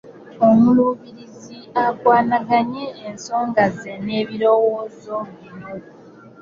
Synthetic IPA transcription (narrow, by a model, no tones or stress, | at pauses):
omuluβiɾiziakwaːnaɡaɲe̞ːnso̞ːŋɡazene̞ːβiɾo̞wo̞ːzo̞